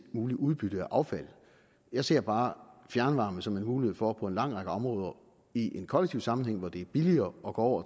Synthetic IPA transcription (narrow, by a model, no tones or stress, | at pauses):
muːliʔuð̞ˠb̥yd̥əæʔɑ̈ʊfæl̰ | jɑ̈ɪse̝ɐ̰b̥ɑ̈ːfjæɐnʋɑ̈ːməsɒ̽menmuːliheðˠfɒpʰɒ̽e̝nlɑ̈ŋ̰ʁɑ̈ɡ̥əɒ̽mʁɔ̽ːð̞ˠɐ | iʔe̝nkʰɒleɡ̥̚t͡sʰiʊ̰sɑ̈mn̩heŋ̰ʋɒd̥e̝æɐb̥iliɐːɒ̽ɡ̥ɒ̰ːɒ̰ʊ̰ɐ